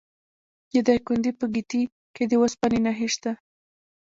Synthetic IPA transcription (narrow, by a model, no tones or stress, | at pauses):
jad̪ɑjkund̪ipəɡit̪i | ked̪əwospɑninaɦiʃt̪a